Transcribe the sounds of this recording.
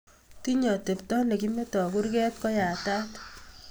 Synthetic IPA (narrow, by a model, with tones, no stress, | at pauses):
ti˦ɲɔ˨te˨p̚tɔ˦le˨ki˦me˦tɔ˨ku˦rkɛ˦t̚kɔ˦ja˨ta˦t